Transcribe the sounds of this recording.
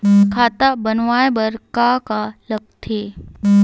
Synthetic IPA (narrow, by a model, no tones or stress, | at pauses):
kʰaːt̪abənʋaːjbəɾkakalək̚t̪ʰe